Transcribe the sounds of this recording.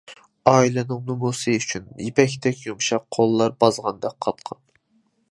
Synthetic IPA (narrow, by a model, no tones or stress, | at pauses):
ɑːilɨnɨŋnumusɨyt͡ʃʰynjepʰɛkʲt̪ʰɛkʲjumʃɑqqʰolˠːɑɾbɑzʁɑnd̪ɛk̚ʲqʰːɑt̪qʰɑn